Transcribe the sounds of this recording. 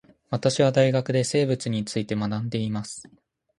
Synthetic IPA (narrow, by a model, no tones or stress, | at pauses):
βat̪aɕiβ̞ad̪aiɡakɯ̟d̪e̞se̞ːbɯ̟t͡sɨɲ̟it͡sɨit̪e̞manãnd̪e̞imasɨ̥